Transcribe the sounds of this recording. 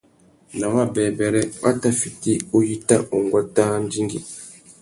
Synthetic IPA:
na˨wa˦˨bɛ˨bɛ˨ɾɛ˦a˦ta˦fi˨ti˦o˦ji˦ta˦ʔo˨ŋɡwa˦taː˦n̩˦di˦ŋɡḭ˨

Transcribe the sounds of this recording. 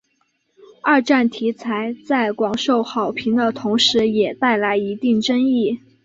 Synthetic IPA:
ɐ˞˥˧ʈ͡ʂa˥˩nt̪ʰi˧˥t͡sʰa˧˥ɪt͡sa˥˩ɪkwɑ˨˩ŋʂo˥˩ʊxɑ˨˩ʊpʰi˧˥ŋd̪ə˧t̪ʰʊ˧˥ŋʂɻ̩˧˥jɛ˨˩t̪a˥˩ɪla˧˥ɪi˧˥t̪i˥˩ŋʈ͡ʂə˥ŋi˥˩

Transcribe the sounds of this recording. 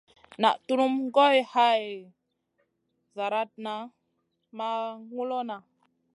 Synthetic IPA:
na̰˨ʔtu˦ɾu˦mɡo˦jha˦j | za˨ɾa˦t̚na˨ | ma˦ŋu˦lo˦na˨

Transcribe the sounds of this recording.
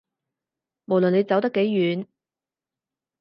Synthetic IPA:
mo˨˩wlɵ˨ne˨˧jt͡sɐ˨˥wt̪ɐ˥kːe˨˥jːyː˨˧˥n

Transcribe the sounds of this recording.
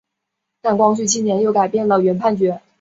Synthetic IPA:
na˥˩nkwɑ˥ŋɕy˥˩t͡ɕʰi˥˩njɛ˧˥njo˥˩ʊka˨˩ɪpjɛ˥˩nlə˩ɥɛ˧˥npʰa˥˩nt͡ɕɥɛ˧˥

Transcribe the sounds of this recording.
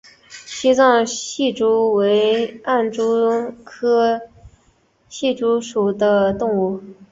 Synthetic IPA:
ɕi˥t͡swɑ˥˧ŋɕi˥˩ʈ͡ʂu˥we˧˥ɪa˥˩nʈ͡ʂu˥kʰɤ˥ | ɕi˥˩ʈ͡ʂu˥ʂu˨˩d̪ə˦t̪ʊ˥˧ŋu˥˩

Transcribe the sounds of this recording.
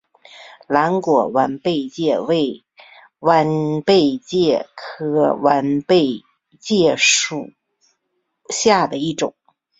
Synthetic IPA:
la˧˥nkwɔ˨˩wa˧˥npe˥˧ɪt͡ɕjɛ˥˧we˥˩ɪ | wa˧˥npe˥˧ɪt͡ɕjɛ˥˩kʰɤ˧˥wa˧˥npe˥˧ɪ | t͡ɕjɛ˥˩ʂu˨˩ | ɕja˥˩d̪ə˩i˥˩ʈ͡ʂʊ̰˨˩˦ŋ

